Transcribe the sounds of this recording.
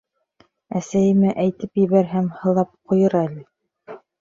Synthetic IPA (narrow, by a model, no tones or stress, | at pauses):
æsæjɘ̆mæʔæjt̪ɘpjɘ̆βæɾɦæmhɤ̆lˠɑp̚qŏjɤɾælɘ